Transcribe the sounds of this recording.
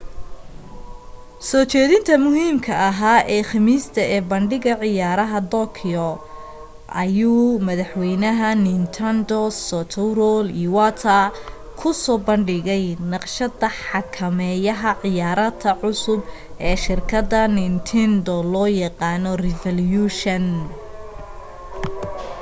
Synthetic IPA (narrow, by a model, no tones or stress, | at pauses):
sɔrt͡ʃɛːðɪnt̪ʰɐmʊɦiːmkʰɐʔɐɦaːʔɛːxɑmiːst̪ʰɐɛːbɐɳɖɪɣɐʕɪjaːɾɐɦɐd̪ɔkʰɪɔ | ʔɐjuːmɐðɐħwɛjnɐɦɐnɪnt̪ʰɐnd̪ɔsɔt̪ʰɐɾɔliwaːt̪ʰɐ | kʰʊsɔːbɐɳɖɪɣɛjnɑqʃɐdɐħɑkʰɐmɛjɐɦɐʕɪjaːɾɐt̪ʰɐʕʊsʊb | ʔɛːʃɪrkʰɐd̪ɐnɪnt̪ʰɛnd̪ɔlɔːjɑqɑːnɔrɪfɐljuʃɐn